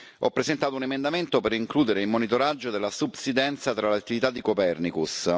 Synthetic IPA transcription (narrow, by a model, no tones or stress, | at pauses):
ɔpːɾezent̪aːt̪ounemend̪ament̪opeɾiŋkluːd̪eɾeilmonit̪oɾad͡ʒːod̪elːasubsid̪ɛnt̪sat̪ɾalat̪ːivit̪ad̪ːikopɛrnikus